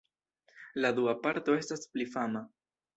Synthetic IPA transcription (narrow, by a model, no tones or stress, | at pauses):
lad̪uapaɾt̪o̞e̞stasplifama